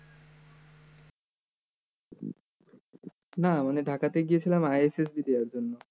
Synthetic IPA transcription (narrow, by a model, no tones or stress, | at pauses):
namaneɖʱakat̪eɡijet͡ɕʰilamajeses̬bid̪eaɾd͡ʑonːo